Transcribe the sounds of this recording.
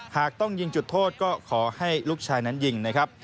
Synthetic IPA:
haː˨˩k̚t̪ɔ˥˩ŋji˧ŋt͡ɕu˨˩t̪ʰːoː˥˩t̪̚kɔː˥˩kʰɔː˩˦ha˥˩jluː˥˩k̚t͡ɕʰaː˧jna˦˥nji˧ŋna˦˥kʰɾa˦˥p̚

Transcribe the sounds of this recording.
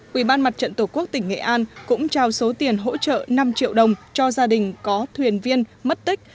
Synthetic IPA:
ʔwi˧˩ɓaː˧nma˨˩t̚t͡ɕə̰˧˨nt̪o˧˩ku˦˥ək̚t̪ï˧˩ŋ̟ŋḛ˧˨ʔaː˧nkʊ̰˧˥ŋ͡mt͡ɕaː˧˩wso˨˦t̪i˨˩ənɦo̰˧˥t͡ɕə̰ː˧˨na˧mt͡ɕḭ˧˨əwɗə˨˩wŋ͡mt͡ɕɔ˧zaː˧ɗï˨˩ŋ̟kɔ˨˦t̪ʰwi˨˩ənvi˧ənmə˦˥t̚t̪ï˦˥k̟̚

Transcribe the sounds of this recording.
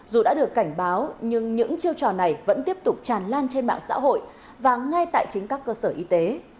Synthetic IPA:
zu˨˩ɗa̰ː˧˥ɗɨ˨˩əkːa˧˩jŋ̟ɓaː˨˦wɲɨ˧ŋɲɨ̰˧˥ŋt͡ɕi˧əwt͡ɕɔ˨˩na˨˩jvə̰˧˥nt̪i˦˥əp̚t̪ʊ˨˩k͡p̚t͡ɕaː˨˩nlaː˧nt͡ɕe˧nɓa̰ː˧˨ŋsa̰ː˧˥ɦo̰˧˨j | vaː˨˩ŋa˧jt̪a̰ː˧˨jt͡ɕï̟˨˦kaː˦˥kːəː˧səː˧˩ʔi˧t̪e˨˦

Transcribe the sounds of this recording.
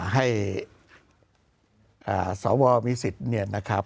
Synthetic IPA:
ɦa˥˩j | ʔa̰ː˨˩sɔː˩˦wɔː˧miː˧si˨˩t̪̚ni˧˥˩əna˦˥kʰa˦˥

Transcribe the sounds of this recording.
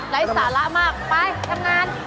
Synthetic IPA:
la˨˦˥jsaː˩˦la˦˥ʔmaː˥˩k̚paː˧˥˩jtʰa˧˥˩mŋaː˧˥˩n

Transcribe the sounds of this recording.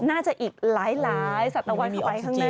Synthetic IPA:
naː˥˩t͡ɕa˨˩ʔiː˨˩k̚laː˦˥jlaː˦˥jsa˨˩t̪ːa˧wa˧miː˧ɔ˧jkʰaː˥˩naː˥˩

